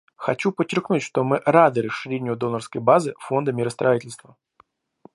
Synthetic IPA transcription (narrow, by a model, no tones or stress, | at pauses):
xɐt͡ɕupət͡ɕːɪrknutʲʂt̪omɨʔɾad̪ɨɾəʂɨɾʲenʲɪjʊd̪o̞nərskəjbazɨfo̞nd̪əmʲɪɾəst̪ɾʔɐitʲɪlʲst̪və